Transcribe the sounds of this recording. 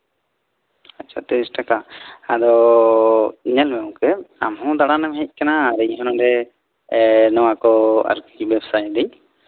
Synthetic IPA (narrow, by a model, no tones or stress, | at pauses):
at͡ʃʰat̪ɛɾisʈakaad̪ɔ | ɲɛlmɛw̃kɛa̰mɦɔ̃d̪aɽanɛmɦɛc̚ˀkanaːɾɛiɦɔnɔɾɛ | nɔwakɔa̰ɾkibɛbsajd̪ɛɲ